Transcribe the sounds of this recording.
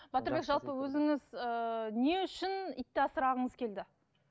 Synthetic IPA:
bɑt̪əɾbe̞kʒɑlˠpəwɵzɪŋɪzəne̞ʏʃɪnḭt̪ːɪɑsəɾɑʁəɴəzkʲʰe̞ld̪ɪ

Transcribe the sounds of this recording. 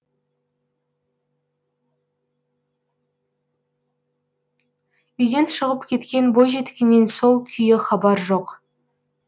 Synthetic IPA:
ʏjd̪e̞nʃəʁəpkʲʰe̞t̪kʲe̞nbo̞jʒe̞t̪kʲenːenso̞lˠkʲʰʏjɪχɑbɑɾʒo̞q

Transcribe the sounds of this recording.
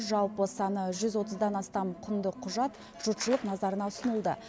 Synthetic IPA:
ʒɑw̪ˠpəsɑnəʒʏzwo̞t̪əzd̪ɑnɑst̪ɑmqʰʊnd̪əqʰʊʒɑt̪ | ʒ̥ʊt̪ʃəlˠəqnɑzɑɾənɑʊsənəlˠd̪ə̰

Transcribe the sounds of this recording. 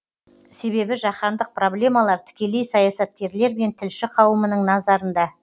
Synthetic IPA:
se̞βe̞bɪʒɑqɑnd̪əq̚pro̞ble̞mɑlˠɑɾt̪ʰɪ̥kʲe̞le̞jsɑjɑsɑt̪̚kʲe̞ɾle̞ɾme̞nt̪ʰɪlʃɪqʰɑwəmənəɴnɑzɑɾənd̪ɑ

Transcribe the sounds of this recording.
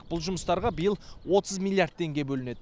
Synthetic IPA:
b̥ʊlˠʒʊməst̪ɑɾʁɑbijəlˠwo̞t̪əzmʲilʲˠːijaɾd̪̚t̪ːe̞ŋɡʲe̞bɵlɪne̞d̪ɪ

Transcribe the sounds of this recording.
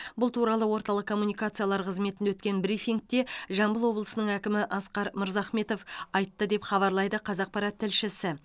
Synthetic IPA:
bʊlˠt̪ʰuɾɑlˠəwo̞ɾt̪ɑlˠəqkʰːo̞mːunijkat̪sɨjalˠɑɾqʰəzme̞t̪ɪnewɵt̪kʲe̞nbɾifiŋk̚t̪e̞ʒɑmbəlˠwo̞blˠəsənəɴækʲɪmɪʔɑsqɑɾməɾzɑχme̞t̪o̞fɑjt̪ːəd̪e̞pχɑβɑɾlˠɑjd̪əqʰɑzɑq̚pɑɾɑt̪ʰːɪlʃɪsɪ

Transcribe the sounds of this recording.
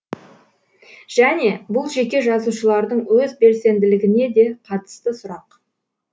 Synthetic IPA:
ʒ̥æne̞bʊlˠʒe̞kʲe̞ʒɑzuʃəlˠɑɾd̪əɴwɵzbe̞lse̞nd̪ɪlɪɡʲɪne̞d̪e̞qʰɑt̪ə̥st̪əsʊɾɑq

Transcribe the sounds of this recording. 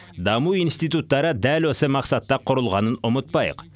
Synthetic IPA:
d̪ɑmuinst̪it̪ut̪ːɑɾəd̪ælwøsəmɑqsɑt̪ːɑqʰʊɾʊlˠʁɑnənʊmət̪̚pɑj̰q

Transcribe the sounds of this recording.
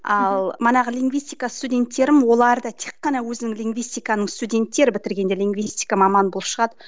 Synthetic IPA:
ɑlˠmənɑʁəlʲiŋɡvijsʲt̪ʲijkast̪udʲe̞nt̪ːe̞ɾɪmwo̞lˠɑɾd̪ət̪ʰe̞kqːɑnɑwɵzɪnɪŋlʲiŋɡvʲijst̪ʲijkɑnəɴst̪udʲe̞nt̪ːe̞ɾɪbɪt̪ɪɾɡʲe̞nd̪e̞lʲiŋɡvʲist̪ʲijkamɑmɑnbolˠəpʃəʁɑd̪ə

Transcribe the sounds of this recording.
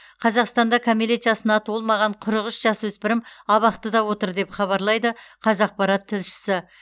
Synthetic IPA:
qʰɑzɑqst̪ɑnd̪ɑkʰomilet̪jɑsənɑt̪wolˠmɑʁɑɴqʰʊɾəʁəʃʒɑswɵspɪɾɪmɑβɑqt̪əd̪ɑwo̞t̪əɾd̪e̞pχɑβɑɾlˠɑjd̪əqʰɑzɑq̚pɑɾɑt̪ʰːɪlʃɪ̥sɪ

